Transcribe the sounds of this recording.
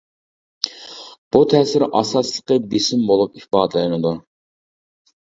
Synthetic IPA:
b̥ut̪ʰɛːsɪɾʔɑsɑslˠə̥qəbesɪmbolˠupihbɑːd̪ɨlˠɨjnɨd̪u

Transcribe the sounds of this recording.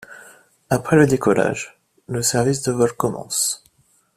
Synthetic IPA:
apχɛləd̪ekɔla̰ʒ | ləsɛʁvis̬d̪əvɔlkɔmɑ̰̃s

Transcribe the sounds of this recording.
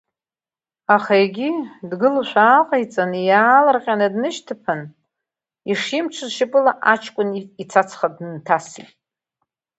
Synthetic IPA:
aχaeɡʲidɡɨluʃʷaːqʼajt͡sʼanɨjaːlɨrqʲʼanɨdnɨʃtʰɨpʰan | iʂimt͡ʃʷʰɨzʃɪpʼɨlaʔat͡ʃʰkʷʼʊnit͡sʰat͡sʰχadntʰasḭtʼ

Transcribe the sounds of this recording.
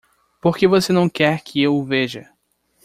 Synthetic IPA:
poɾkevosenɐ̃w̃kɛɾkʰɪewʊveʒɐ

